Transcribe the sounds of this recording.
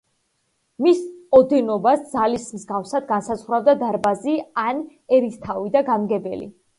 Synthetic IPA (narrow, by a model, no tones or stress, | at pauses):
misɔd̪ɛnɔbasd̪zalismzɡafsad̪̚ɡansazʁɾavd̪ad̪aɾbazian | ɛɾist̪ʰavid̪aɡamɡɛbɛlḭ